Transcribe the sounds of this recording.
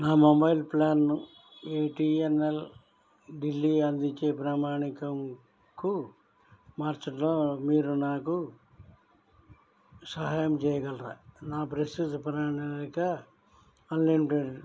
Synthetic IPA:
naːmobɐjlplaːn | eʈiːenel | ɖilːiɐnd̪iɲt͡ʃːe̞ːpɾaːmaːɳikɐm | ku | maːɾt͡ʃɐʈloːmiːɾunaːku | sɐɦaːjɐmt͡ʃɛːjɐɡɐlɾa̰naːpɾɐsit̪upɾaːɳiikaː | nlijmiʈeɖ

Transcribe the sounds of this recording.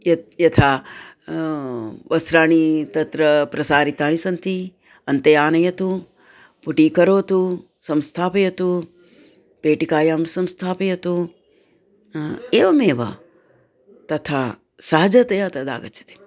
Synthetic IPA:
jɐjɐt̪ʰaː | ʋɐsɾaːɳ̃it̪ɐt̪ɾɐpɾɐsaːɾit̪aːɳisɐnt̪i | ɐnt̪ɐjaːnɐjɐt̪u | puʈiːkɐɾoːt̪u | sɐmst̪ʰaːpɐjɐt̪u | peːʈikaːjaːmsɐmst̪ʰaːpɐjɐt̪u | eːʋɐmeːʋɐ̰ | t̪ɐt̪ʰaː | saːɐd͡ʒɐt̪ɐjat̪ɐd̪a̰ːɡɐt͡ʃɐ̥t̪i̥

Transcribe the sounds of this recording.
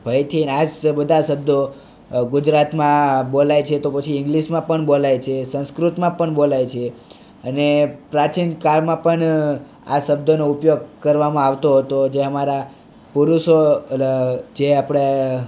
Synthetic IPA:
bʱəjt̪ʰinad͡ʒbəd̪ʱaʃəb̚d̪ʱo | ɡʊd͡ʒɾat̪mãbolajt͡ʃʰet̪opət͡ʃʰiɪ̃ŋɡliʃmãpəɳbolajt͡ʃʰesə̃skɾut̪mãpəɳbolajt͡ʃʰe | ənepɾat͡ʃinkaɾmãpəɳ | aʃəb̚d̪onoupjoɡ̚kəɾʋamãaʋt̪oɦət̪od͡ʒeəmaɾa | puɾuʃo | d͡ʒeapɽe

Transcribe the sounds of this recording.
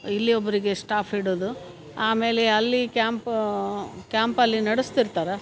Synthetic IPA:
ilːiobːɐɾiɡe̞sʈaːpʰiɽoːd̪u | aːme̞ːleɐlːikaːmp | kʲjaːmpɐlːinɐɽust̪iɾt̪aːɾe

